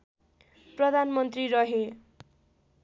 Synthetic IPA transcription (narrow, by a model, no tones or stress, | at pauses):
prʌd̪ʱanmʌnt̪riɾʌɦe